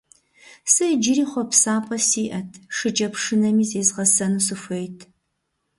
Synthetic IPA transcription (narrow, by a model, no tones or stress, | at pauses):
sɨd͡ʒɪɾiːχʷɔpsaːpʼɐsiːʔɐtʰʂɨd͡ʒɐpʂɨnɐmiːzeːzʁɐsɐnusɨfejtʰ